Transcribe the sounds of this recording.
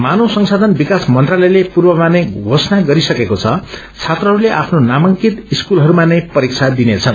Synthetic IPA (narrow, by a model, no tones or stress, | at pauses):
manosʌŋsad̪ʱʌnbikasmʌnt̪ralʌjlepurbʌmanʌjɡʱosnaɡʌɾisʌkekot͡sʰʌ | t͡sʰat̪rʌɦʌɾuleʔapʰnonamʌŋkit̪iskulɦʌɾumanʌjpʌɾik̚t͡sʰad̪inet͡sʰʌn